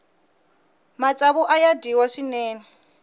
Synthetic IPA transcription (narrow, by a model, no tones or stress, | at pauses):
mat͡sʼaβuʔajadiwaʂinɛːnɛ